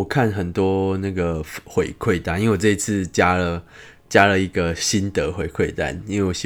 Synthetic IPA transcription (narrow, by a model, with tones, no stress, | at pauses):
kʰa˥˨nxə˨˩nt̪wɔ˦˥na˥˩ɡə˩fxwe˨˩ɪkʰwe˥˩ɪt̪a˥ni˥nwe˥˩wo˨˩ʈ͡ʂɤ˥˧i˧t͡sʰɹ̩˥˨t͡ɕja˦lə˨ | t͡ɕja˦lə˨i˧˦ɡə˨ɕi˦nt̪ə˨˦xwe˨˦ɪkʰwe˥˨ɪt̪a̰˦ni˦˥nwe˥˩˨wo˨˩ɕ